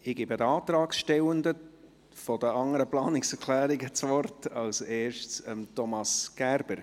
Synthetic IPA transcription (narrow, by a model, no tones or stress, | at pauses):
ɪɡ̥ibədəɑːt̪ɾɑːksʃtɛwənd̪ə | fɔdəɑŋəɾəplɑːnɪksɛɾkʰlæːɾɪɡət͡svɔrtɑlseːɾʃt͡səmtɔmɑsɡ̥æɾb̥əɾ